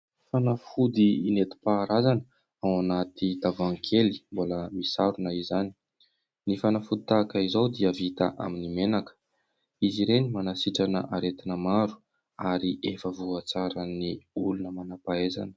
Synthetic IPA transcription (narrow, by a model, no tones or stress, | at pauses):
fanafud̪iːnet̪i̥paːɾazanə | awanat̪id̪avaŋkʰeli̥mboləmisaɾunəizani | nifanafud̪it̪aːkaizawd̪iəvit̪a̰ʔa̰minimenakə̥ | iziɾenimanasiʈ͡ʂanə̰ʔaɾet̪inəmaɾu̥ | aɾiʔefəvuat͡saɾəniulunəmanapaeza̰nə̥